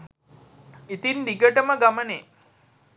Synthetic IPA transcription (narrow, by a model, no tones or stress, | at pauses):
it̪ind̪iɡəʈəməɡaməneː